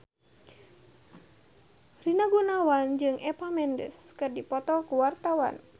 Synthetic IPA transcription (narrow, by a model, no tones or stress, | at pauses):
rinaɡunawand͡ʒɨŋʔɛpamɛndə̰skɨrdipɔt̪ɔkuwart̪awa̰n